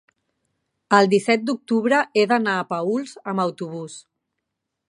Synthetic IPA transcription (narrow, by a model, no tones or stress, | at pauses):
əlˠd̪isɛt̪̚d̪uk̚t̪uβɾəeðənaːpəulˠzəməwt̪uβus